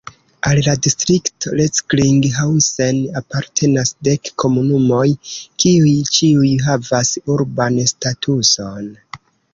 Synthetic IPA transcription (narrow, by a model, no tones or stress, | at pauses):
alladistɾiktoleskliŋɡɦawsenapaɾtʰe̞nasde̞kːo̞munumo̞jkiujt͡ʃiujɦavasuɾbanstatʰuso̞n